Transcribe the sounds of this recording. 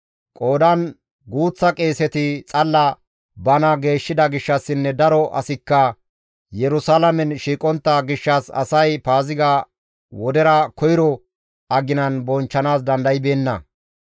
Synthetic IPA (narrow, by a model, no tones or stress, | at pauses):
kʼo̞ːd̪ɐn | ɡuːt͡sːɐkʼeːsɛt̪ɪt͡sʼɐlːɐ | bɐnɐɡe̞ːʃːɪd̪ɐɡɪʃːɐsːɪnːɛd̪ɐɾɔʔɐ̰sɪkːɐ | jɛɾʊsalɐmɛnʃiːkʼɔnt̪ːɐɡɪʃːɐsɐ̰sɐjpaːzɪɡɐ | wɔd̪ɛɾɐkʰɔjɪɾɔ | ɐɡɪnɐnbɔnt͡ʃːɐnaːs̬d̪ɐnd̪ɐjɪbe̞ːnːɐ